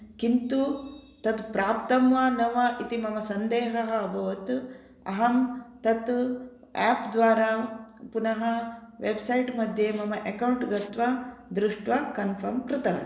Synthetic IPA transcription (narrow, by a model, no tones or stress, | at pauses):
kint̪u | t̪ɐt̪pɾaːpt̪ɐmʋaːnɐʋɐʔit̪imɐmɐsɐnd̪eːɦɐɦɐːbʱɐʋɐt̪ | ɐ̰ɦɐmt̪ɐt̪ | aːpd̪ʋaːɾaːpunɐɦɐʋebsɐjʈmɐd̪ʱjeːmɐmɐʔekɐwɳʈɡɐt̪ʋaːd̪ɾuʂʈʋakɐnpʰɐɾmkɾɪt̪ɐɦɐ̰